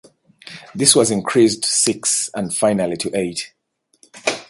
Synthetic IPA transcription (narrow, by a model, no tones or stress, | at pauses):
ðɪswʌzɪ̃nkʰɹ̥isdsɪksə̃ndfãɪnəlˠitʰɨʔeɪt